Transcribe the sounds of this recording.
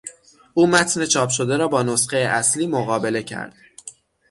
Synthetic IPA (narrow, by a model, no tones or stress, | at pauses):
ʔuːmæt̪ʰne̞t͡ʃʰɒːpʃo̞d̪e̞ɾɒːbɒːnosqejeʔæsliːmoɣɒːbe̞le̞cʰæ̰ɾd̪̥